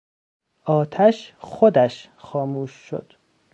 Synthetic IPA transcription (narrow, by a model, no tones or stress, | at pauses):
ɒːt̪ʰæʃxod̪æʃ | xɒːmuːʃːo̰d̪̥